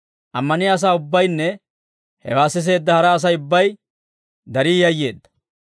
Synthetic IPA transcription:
ʔɐmːɐnɪjaːs̬aːʊbːɐjnːɛ | hɛ̰waːsːɪs̬e̞ːd̪ːɐhɐɾɐːs̬ɐjʊbːɐj | d̪ɐɾiːjɐjːe̞ːd̪ːɐ̥

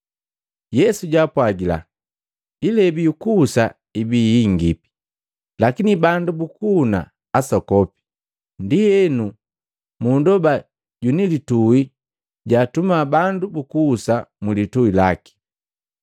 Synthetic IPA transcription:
jɛsuɟaːpwaɡila̰ | ilɛbijukuːsa | ibijiŋɡipi̥ | lakinibandubukuːna̰ | asɔkɔpi̥ | ndiɛnu | mundɔba | ɟunilitui | ɟaːtumaːbandubukuːsamulituila̰ki̥

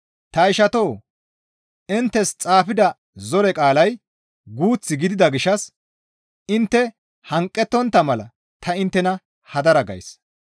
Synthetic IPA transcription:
t̪ɐɪʃɐt̪oː | ɪnt̪ːɛst͡sʼaːfɪd̪ɐ | zɔɾɛkʼaːlɐj | ɡuːt͡sːɪɡɪd̪ɪd̪ɐɡɪʃːɐs | ɪnt̪ːɛ | hɐŋkʼːɛt̪ːɔnt̪ːɐmɐlɐ̰ | t̪ʰɐɪnt̪ːɛnɐ | hɐd̪ɐɾɐɡɐ̰js

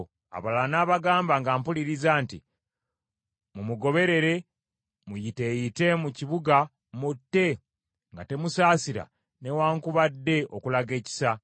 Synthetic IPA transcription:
a̰βalnaːβaɡaːmbaŋɡaːmpuliɾizaːnti | mumuɡo̞βe̞ɾe̞ɾe̞ | mujite̞jite̞muciβuɡa | mutːe̞ | ŋɡate̞musaːsiɾa̰ | ne̞waːŋkuβadːe̞ʔokulaɡe̞ːci̥sa

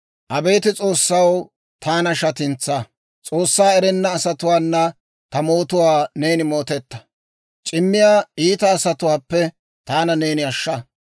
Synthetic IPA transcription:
ʔɐbeːt̪ɪt͡sʼo̞ːsːɐw | t̪ʰaːnɐʃɐt̪ɪnt͡sːɐ | t͡sʼo̞ːsːaːɛɾɛnːɐːsɐt̪ʊwaːnːɐ | t̪ɐmo̞ːt̪ʊwaːne̞ːnɪmo̞ːt̪ɛt̪ːɐ̥ | t͡ʃʼɪmːɪjaːiːt̪ɐːsɐt̪ʊwaːpːɛ | t̪aːnɐne̞ːnɪɐʃːa

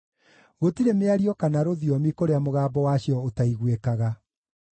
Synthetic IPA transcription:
ɣotiɾemeaɾiɔkanaɾoðjɔmikoɾeamoɣaːbɔwaɕjɔotaiɣwekaɣa

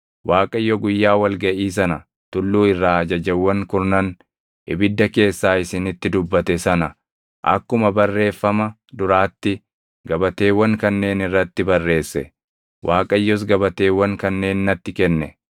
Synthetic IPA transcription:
waːkʼɐjːɔɡʊjːaːwɐlɡɐʔiːs̬ɐnɐ | t̪ʊlːuːɪrːaːɐd͡ʒɐd͡ʒɛwːɐŋkʊɾnɐn | ɪbɪd̪ːɐke̞ːsːaːɪsɪnɪt̪ːɪd̪ʊbːɐt̪ɛsɐnɐ | ʔɐ̰kːʊmɐbɐrːe̞ːfːɐmɐ | d̪ʊɾaːt̪ːɪ | ɡɐbɐt̪e̞ːwːɐŋkɐnːe̞ːnɪrːɐt̪ːɪbɐrːe̞ːsːɛ̰ | wʔaːkʼɐjːɔs̬ɡɐbɐt̪e̞ːwːɐŋkɐnːe̞ːnːɐt̪ːɪkɛnːɛ

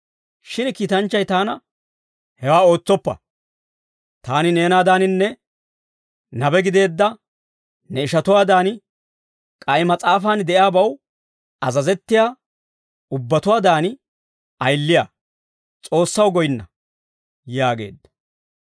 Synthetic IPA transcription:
ʃɪnkiːt̪ɐnt͡ʃːɐjt̪aːnɐ | hɛwaːo̞ːt͡sːɔpːɐ̰ | t̪aːnɪne̞ːnaːd̪aːnɪnːɛ | nɐbɛɡɪd̪e̞ːd̪ːɐ | nɛɪʃɐt̪ʊwaːd̪aːnɪ | kʼɐjɪmɐt͡sʼaːfaːnd̪ɛʔjaːbɐw | ɐzɐzɛt̪ːɪjaː | ʊbːɐt̪ʊwaːd̪aːnɪ | ɐjlːɪjaː | t͡sʼo̞ːsːɐwɡɔjɪnːɐ̰ | jaːɡe̞̰ːd̪ːɐ̥

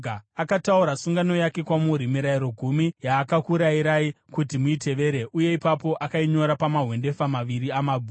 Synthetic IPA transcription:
akatauɾasuŋɡano̞jake̞kwamuɾimiɾaiɾo̞ɡʱumijaːkakuɾaiɾaikutimuite̞ʋe̞ɾe̞ʔuje̞ipapo̞ʔakaiɲo̞ɾapamaɦwe̞nde̞famaʋiɾiamaːbʱu

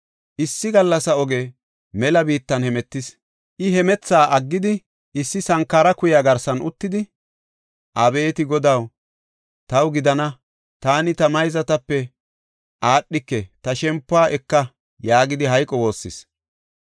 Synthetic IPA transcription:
ʔɪsːɪɡɐlːɐsɐɔɡeː | mɛlɐbiːt̪ːɐnhɛmɛt̪ːɪs | ʔɪɦɛmɛt͡sːaːʔɐɡːɪd̪ɪ | ʔɪsːɪsɐŋkːaːɾɐkʊjaːɡɐɾsɐnʔʊt̪ːɪd̪ɪ | ʔɐbe̞ːt̪ɪɡɔd̪ɐw | t̪ɐwɡɪd̪ɐnɐ | t̪aːnɪt̪ɐmɐjzɐt̪ɐpːɛ | ʔaːɗːɪkːɛt̪ɐʃɛmpːʊaːʔɛkːɐ | jaːɡɪd̪ɪɦɐjkʼɔwo̞ːsːɪ̰s

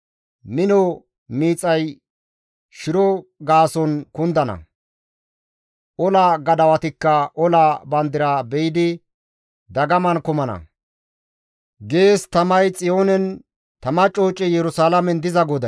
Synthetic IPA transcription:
mɪnɔ | miːt͡sʼːɐj | ʃɪɾɔɡaːsɔnkʊnd̪ɐnɐ̰ | ʔɔlaːɡɐd̪ɐwɐt̪ɪkːɐʔɔlaːbɐnd̪ɪɾaːbɛjɪd̪ɪ | d̪ɐɡɐmɐnkʊmɐnɐ̰ | ɡe̞ːst̪ɐmɐjt͡sʼɪjo̞ːnɛn | t̪ɐmɐt͡ʃʼo̞ːt͡ʃʼːɪjɛɾʊsaːlɐmɛnd̪ɪzɐɡɔd̪ɐ

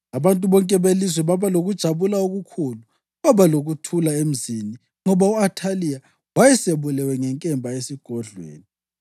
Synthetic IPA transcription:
aβantʼuβɔŋkʼɛβelis̬wɛβaβaloɣud̥ʒ̥ʱaβulaoɣukʰulu | βaβaloɣutʰulaem̩zini | ŋɔβauatʰalija | wajɛseβulɛwɛŋɛŋkʼɛmbʱaesiɡ̥ʱɔɮwḛːni

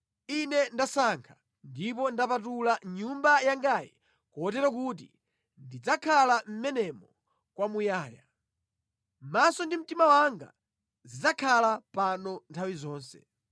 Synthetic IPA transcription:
inɛndasaŋkʰḁ | ndip̬ɔndapat̬ulaɲumbajaŋɡajɛ̰ | kɔɔt̬ɛɾɔk̬ut̬ḭ | ndid͡zakʰalam̩mɛnɛmɔ | kwamujaːja | masɔndim̩timawaŋɡa̰ | zid͡zakʰalapanɔntʰawizɔːnsɛ̥

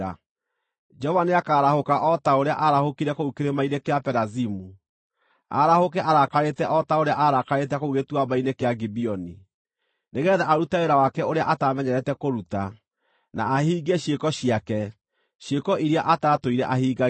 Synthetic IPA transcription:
a | d͡ʒɔvaneakaːɾahokaʔɔtaoɾea̰ʔaɾahokiɾɛkoukeɾemaiɾekeapɛɾazimu | a̰ɾahokɛʔaɾakaɾetɛʔɔtaoɾeaʔaɾakaɾetɛkouɣetuabainekeaɡibiɔni | neɣɛðaʔaɾutaoɾawakɛoɾeaʔataːmɛɲɛɾɛtɛkoɾuta | na̰ːhiːɡeɕjekɔɕiakɛ | ʃjekɔʔiɾiaʔataːtoiɾɛʔahiːɡa

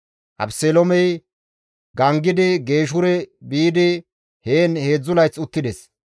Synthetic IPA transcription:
ʔɐ̰pselomɛj | ɡɐŋɡɪd̪ɪɡe̞ːʃ̬ʊɾɛbiːd̪ɪ | heːnhe̞ːd͡zːʊlɐjt͡sːʊt̪ːɪd̪ɛs

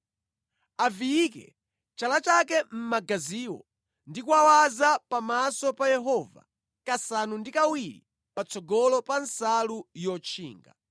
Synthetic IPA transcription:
avijikɛ̰ | t͡ʃalat͡ʃak̬ɛm̩maɡaziːwɔ̰ | ndikuawazapamasɔpajɛɦɔva̰ | kasanundikawiɾḭ | pat͡sʰɔɡɔlɔpansalujɔt͡ʃʰḭːŋɡa̰

